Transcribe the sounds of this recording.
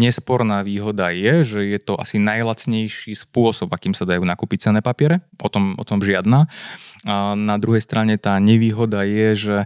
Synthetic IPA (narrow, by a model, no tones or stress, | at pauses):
ɲɛspɔɾnaːʋiːɦɔd̪ajɛʒɛjɛt̪ɔʔa̰sinajlat͡sɲɛjʃiːspʊɔsɔbakiːmsad̪ajuːnakuːpic̚t͡sɛnɛːpapɪɛɾɛʔɔt̪ɔmɔ̰t̪ɔmʒɪad̪naːanad̪ɾuɦɛjst̪ɾʔaɲɛt̪aːɲɛʋiːɦɔd̪ajɛʒɛ